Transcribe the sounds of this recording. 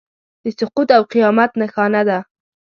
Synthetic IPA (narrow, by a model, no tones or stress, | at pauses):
d̪̥əsʊqut̪awqijɑmat̪naxɑnad̪a